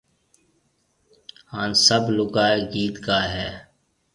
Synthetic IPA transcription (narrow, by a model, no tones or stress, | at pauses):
haːnsəblʊɡaːeːɡiːt̪kaːɦɛː